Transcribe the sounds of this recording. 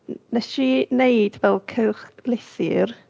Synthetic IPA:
nəʃinejdvɛlˠkʰəwχlɪsɪr

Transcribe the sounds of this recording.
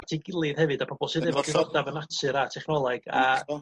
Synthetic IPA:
tʰiɡɪlˠɨðhɛvɨdapʰɔbɔlˠsiðɪvɔdɪvɔdavənatʰɨɾatʰɛχnɔlˠaɡ̥a̰

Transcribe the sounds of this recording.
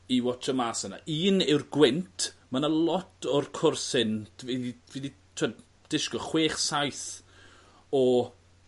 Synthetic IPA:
iwɔt͡ʃʰəmaːsəna̰ʔiːnɪwrɡwɪntʰmanalˠɔtʰɔrkʰʊrsɪndviðiviði | tʰwə | d̥ɪʃkɔχweːχsajθ | ɔ

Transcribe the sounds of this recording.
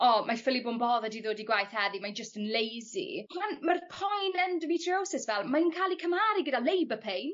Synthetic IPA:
ɔmajfɪlibʊnbɔðədiðoːdiɡwajθhɛðimajnd͡ʒəstənlejzḭanmarpʰajnɛndəmitʰriowsɪsvɛlˠmajnkʰalikʰəmaːɾiɡədalejbəpʰejn

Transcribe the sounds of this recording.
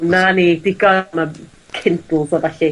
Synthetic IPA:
nanidɪɡɔma | kʰɪntl̩ˠsɔvaɬi

